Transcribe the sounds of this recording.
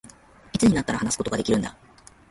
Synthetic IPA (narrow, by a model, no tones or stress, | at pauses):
it͡sɨɲ̟inat̪ːaɾahanasɨ̥ko̞t̪oɡad̪e̞kʲiɾɯ̟nd̪a